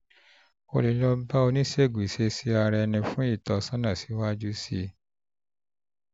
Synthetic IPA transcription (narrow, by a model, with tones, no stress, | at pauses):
o˧li˨˦lɔ˧ba˦o˧nĩ˦se˦˨ɡʷse˧˦si˦a˧ɾɛ˧nĩ˧fũ˦i˦˨tɔ˨˧sã˦nã˦˨si̥˨˦wa˦d͡ʒu˦si˦˧